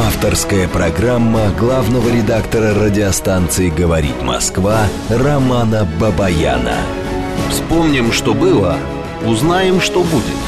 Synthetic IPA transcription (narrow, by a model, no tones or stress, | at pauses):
aft̪ərskəjəpɾɐɡramːəɡlˠavnəvəɾʲɪd̪akt̪əɾəɾədʲɪɐst̪ant̪sɨɪɡəvɐɾʲḭt̪mɐ̰skva | rɐmanəbəbɐja̰nə̰ | fspomnʲɪmʂt̪obɨlˠə | ʊznajɪmʂt̪obudʲɪt̪